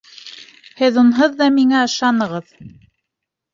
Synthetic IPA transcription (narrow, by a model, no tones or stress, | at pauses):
hɘðunɦɤðːɑmiŋæɤ̆ʃɑnɤ̆ʁɤð